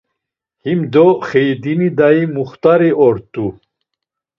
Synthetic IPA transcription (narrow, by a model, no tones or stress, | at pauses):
himd̪ɔχɛjd̪inid̪aimuχt̪ʼaɾiɔɾt̪ʼu